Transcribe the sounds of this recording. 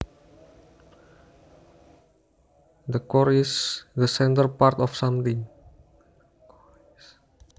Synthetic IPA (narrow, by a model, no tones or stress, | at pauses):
d̪əkɔɾisd̪əsɛnt̪ərpart̪ɔfsamt̪ɪŋ